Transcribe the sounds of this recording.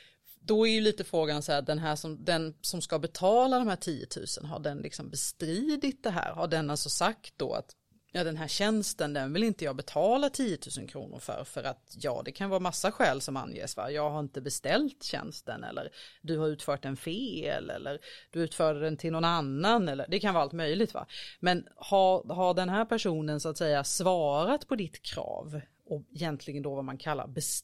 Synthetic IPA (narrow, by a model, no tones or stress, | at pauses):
d̪ɔæɾjɵliːt̪əfɾoːɡansɔhæːd̪ɛnɦæːʂɔmd̪ɛnsɔmskabɛt̪ʰɑːlad̪ɔmhæːʈʰiːjə̰t̪ʰʉ̟̰ːsənɦa̰ɖɛnlɪksɔmbɛst̪ɾiːd̪ɪt̪̚d̪ɛɦæ̰ːɾhaɖɛnːalsɔsakt̪̚d̪ɔ̰a̰t̪ | jɑːd̪ɛnɦæːɾɕɛnst̪ənd̪ɛnvɪlɪnt̪əjɑːɡbɛt̪ʰɑːlat̪ʰijət̪ʰʉ̟ːsənkʰɾṵːnʊ̰ɾfœ̰ɾfœɾʔat̪jɑ̰ːd̪ɛkʰanvɑːɾamasːaɧɛːlsɔma̰njḛːsfɑ̰ɾjɑːɡhaɾɪnt̪əbɛst̪ɛlt̪ɕɛ̰nst̪ə̰nɛ̰lːə̰ɾd̪ɵhaɾʉ̟ːt̪fœːʈ̚ːɛnfeːɛ̰lːɛ̰lːəɾd̥̪ɵʉ̟ːt̪fœːɖəɖ̪ɛnt̪ʰɪlɔnanːanɛlːəɖɛkʰanvɑːalt̪mœjlɪɡ̚t̪va̰mɛnhaɾɦaɖɛnɦæːɾpʰæʂuːnənsʊat̪sɛjːasvɑːɾat̪pʰɔd̪ɪt̪kʰɾɑ̰ːv | ɔɛjɛnt̪ʰlɪɡənd̪ɔvamankʰalːa̰ɾbɛs